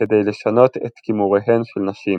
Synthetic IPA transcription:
ɛd̪ɛjlɪʃːɐnɔt̪ʔɛt̪kiːmuwɛħɛnfɪlnɐʃiːm

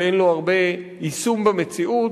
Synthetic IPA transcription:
enloaʁbe̞ | isumbeme̞t͡siu

